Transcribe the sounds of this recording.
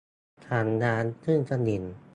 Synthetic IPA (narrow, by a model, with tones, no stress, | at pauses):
t̪ʰaː˨˩˦nnaː˧˥nt̪ʰɯ˥˩ŋt͡ɕa˧˩ni˨˩n